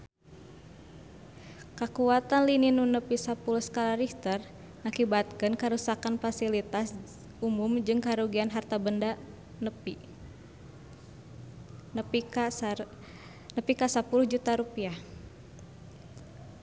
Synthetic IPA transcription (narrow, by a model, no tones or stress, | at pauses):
kakuat̪anlininunəpisapuluhskalaɾift̪ər | ŋakibat̪̚kɨnkaɾusakanfasilit̪as | umumd͡ʒɨŋkaɾuɡianɦart̪abənda | nəi | nəpikasapulʊhd͡ʒut̪aɾupiah